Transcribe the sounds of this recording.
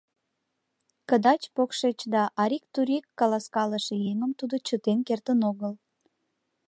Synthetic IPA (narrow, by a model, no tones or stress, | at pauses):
kəd̪ɑt͡ɕpokʃet͡ɕd̪ɑʔɑɾʲik̚t̪uɾʲikːɑlɑskɑləʃejeŋəmt̪ud̪ot͡ɕət̪enkert̪ənoɣəl